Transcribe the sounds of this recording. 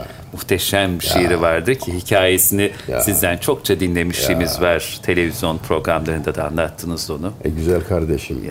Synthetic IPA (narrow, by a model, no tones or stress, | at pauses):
muxt̪ʰeʃæmʃejɾivaɾd̪ɯcʰiɦicʰaːje̞sinɪsizd̪ænt͡ʃʰo̞kt͡ʃʰad̪inlʲe̞miʃimizvaɾ̥t̪ʰe̞lʲe̞vizjo̞npʰɾo̞ɡɾamlˠaɾɯnd̪ad̪aa̰nlˠat̪ʰːɯnɯzonuɟyzælʲkʰaɾd̪eʃim